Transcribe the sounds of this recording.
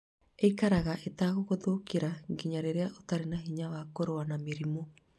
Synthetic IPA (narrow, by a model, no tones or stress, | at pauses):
ejkaɾaɣaʔetaːɣokoðoːkiɾaɡiɲaɾeɾeaʔot̪aɾenaɦiɲaβaːkoɾoanamiɾimo